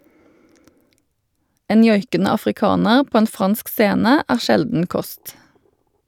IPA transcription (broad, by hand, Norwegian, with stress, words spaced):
ˈeːn ˈjɔjkənə ɑfʁɪˈkɑːnəʁ ˈpoː ˈeːn ˈfʁɑnsk ˈseːnə ˈæːʁ ˈʃɛldn̩ ˈkɔst